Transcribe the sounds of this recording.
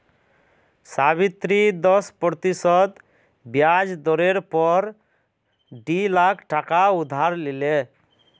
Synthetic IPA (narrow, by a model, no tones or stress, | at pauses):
saβit̪ɾid̪ɔspɔt̪isɔd̪ | bjad͡ʒd̪ɔɾeɾpɔɾ | ɖilakʰʈakaud̪ʱaɾlile